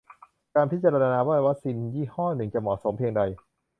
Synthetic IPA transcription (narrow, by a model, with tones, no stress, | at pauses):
kaː˧npʰi˦˥t̪̚t͡ɕaː˧ɾa˧aː˧naː˧baː˥˩˨wa˦˥si˧njiː˥˩hɔː˥˩nɯ˨˩ŋt͡ɕa˨˩mɔː˨˩˦so˩˦mpʰi˧əŋda˧j